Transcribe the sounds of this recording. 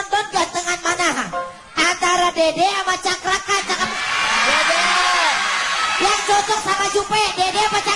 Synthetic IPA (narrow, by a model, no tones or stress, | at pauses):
nt̪ɔndant̪əŋanmanaɦa̰ | ʔant̪aɾadedeamat͡ʃakɾakant͡ʃakap̚dede | jaŋt͡ʃɔt͡ʃɔk̚samad͡ʒupɛdedemat͡ʃa